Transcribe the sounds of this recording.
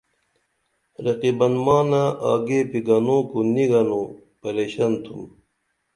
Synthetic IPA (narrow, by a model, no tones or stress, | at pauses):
ɾɐqibɐnmaːnaaːɡeːpiɡɐnoːkuniɡɐnupɐɾeːɕɐnt̪ʰum